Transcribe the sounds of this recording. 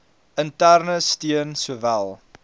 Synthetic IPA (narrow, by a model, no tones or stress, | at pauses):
əntærnəstiənsuəvælˠ